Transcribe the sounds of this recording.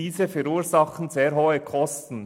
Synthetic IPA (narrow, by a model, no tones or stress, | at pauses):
iːzəfɛɾuːɾzɑχn̩zeːɾɦoːəkʰɔstn̩